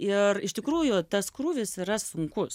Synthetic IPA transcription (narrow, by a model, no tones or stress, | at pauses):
ɪrɪʃt̪ʲɪkɾuːjʊt̪ɐskɾuːʋʲɪsɪɾɐsʊŋkʊs